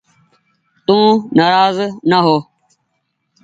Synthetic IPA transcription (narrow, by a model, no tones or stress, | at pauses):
t̪ũːnaːɾaːznaɦoː